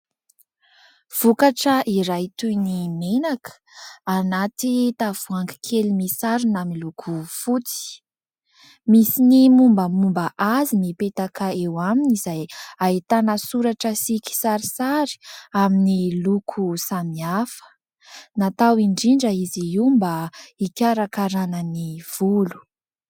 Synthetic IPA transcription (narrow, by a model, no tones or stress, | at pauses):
v̥ukaʈ͡ʂəʔiɾajt̪ujnimenakʰə̥anat̪it̪av̥uaŋɡi̥kʰelimisaɾunamiilukʰufut͡si̥ | misinimumbəmumbəʔazimipet̪akʰaewaminizajait̪anəsuɾaʈ͡ʂəsiki̥saɾisaɾi̥aminilukʰusamiafə̥ | nat̪awiɳɖ͡ʐiɳɖ͡ʐəiziumbaikʲaɾakaɾanəniv̥ulu̥